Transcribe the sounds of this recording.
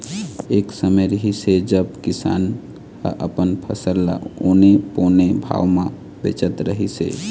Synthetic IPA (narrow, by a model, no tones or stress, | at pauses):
eksəməɾəɦised͡ʒəbkisa̰n | kə̰ʔəpənpʰəsəlːa̰oneponebʱa̰wmẽ | bḛt͡ʃət̪ɾəɦisḛ